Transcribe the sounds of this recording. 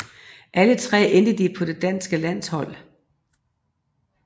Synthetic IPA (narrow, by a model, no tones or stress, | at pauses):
ʔælət͡sʰʁɛ̰ːend̥əd̥ipʰɒ̽d̥e̝d̥æn̰sɡ̥əlæn̰shɒ̽l̰